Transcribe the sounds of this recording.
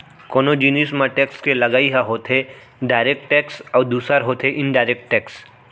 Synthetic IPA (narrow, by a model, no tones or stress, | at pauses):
koːnod͡ʒiniːs̬mãʈeːkskelɐɡaːiɦaɦoːt̪ʰɦe | ɖaːɪɾeːk̚ʈʈɛːksɔːɾd̪uːsaɾɦoːt̪ʰeʔɪ̃nɖaːɪɾek̚ʈʈɛːks